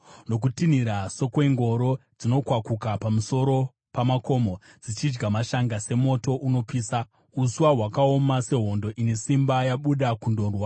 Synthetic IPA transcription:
no̞k̬utiniɾaso̞kwe̞ŋɡo̞ɾo̞d͡zino̞kwakukapamuso̞ɾo̞ | pamako̞ːmo | d͡zit͡ʃid͡ʒɡamaʃaŋɡase̞mo̞to̞ʔuno̞piːsa | usuwaɦwakao̞mase̞ɦo̞ndo̞ʔine̞simbajaɓuɗakundorwa

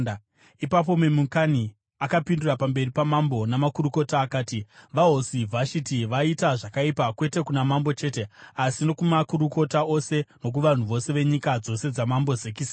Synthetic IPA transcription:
ipap̬o̞memuŋkani | akapindurapambe̞ripamambo̞namakuruko̞taːkaːtiʋaɦosivʱaʃitiʋaitaʐakaipakwe̞te̞kunamambo̞t͡ʃe̞ːte̞asino̞kumakuɾuko̞tao̞se̞no̞k̬uʋan̤uʋo̞se̞ʋe̞ɲikad͡zo̞se̞d͡zamambo̞zekis

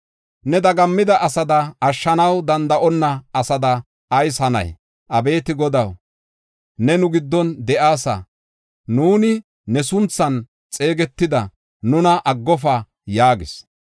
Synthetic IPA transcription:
nɛd̪ɐɡɐmːɪd̪ɐʔɐsɐd̪ɐːʃːɐnɐwd̪ɐnd̪ɐʔɔnːɐːsɐd̪ɐ | ɐjsɐnɐ̰j | ʔɐbe̞ːt̪ɪɡɔd̪ɐw | nɛnʊɡɪd̪ːɔnd̪ɛʔaːsɐ̰ | nuːnɪː | ɛsʊnt͡sːɐn | t͡sʼe̞ːɡɛt̪ːɪd̪ɐ | nʊnɐʔɐɡːɔfɐ | jaːɡɪs

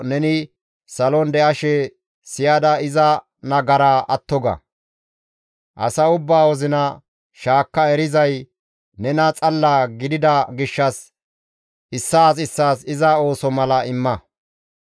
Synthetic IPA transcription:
nɛnɪ | sɐlɔnd̪ɛʔɐʃɛ | sɪjaːd̪ɐɪzɐ | nɐɡɐɾaːʔɐt̪ːɔɡɐ̰ | ʔɐ̰sɐʊbːaːwɔzɪnɐ | ʃaːkːɐɛɾɪzɐj | nɛnɐt͡sʼɐlːaɡɪd̪ɪd̪ɐɡɪʃːɐs | ʔɪsːaːs̬ɪsːaːsɪzɐo̞ːsɔmɐlɐɪmːɐ

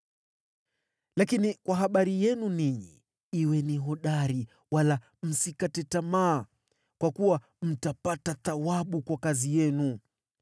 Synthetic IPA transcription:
lakinikwaɦaɓaɾijɛnuniɲḭ | iwɛniɦɔɗaɾi | wala | m̩sikatɛtamaː | kwakuwa | m̩tapataθawaɓukwakazijɛnu

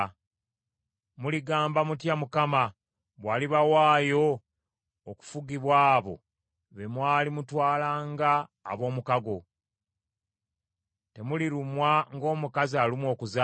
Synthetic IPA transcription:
muliɡaːmbamutjamukama | βwaːliβawaːjo̞ː | ku̥fuɡiβwaːβo̞̰ | βe̞mwaːlimutwaːlaːŋɡa̰ːβo̞ːmukaɡo̞ | te̞muliɾumwaŋɡo̞ːmukazialimwo̞ːkuza

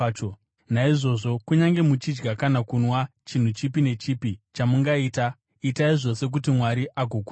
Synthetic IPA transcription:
o | naiʐo̞ʐo̞kuɲaŋɡe̞mut͡ʃid͡ʒɡakanakunwat͡ʃin̤ut͡ʃipine̞t͡ʃiːpit͡ʃamuŋɡaiːta | itaiʐo̞se̞k̬ut̬imwaɾiʔaɡʱoku

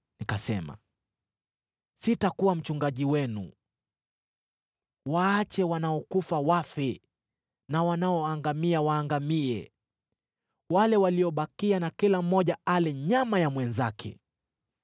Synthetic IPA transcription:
nikasɛma̰ | sitakuwam̩t͡ʃuŋɡaʄiwɛnṵ | waːt͡ʃɛwanaɔkufawafɛ | nawanaɔaŋɡamiawaːŋɡamiɛ | walɛwaliɔɓakianakilam̩ːɔʄaalɛɲamajamwɛnzakʰɛ̰

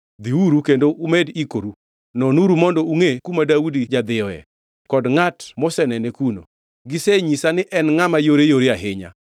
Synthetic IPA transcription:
d̪iuɾukendoʔumedikoɾu | nɔnuɾumɔndɔuŋekumadaudid͡ʒad̪ɪjɔɛ̰ | kɔdŋatmɔsɛnɛnekuno̰ | ɡɪseɲisanɪʔɛnŋamajoɾejoɾeaɦɪɲa̰

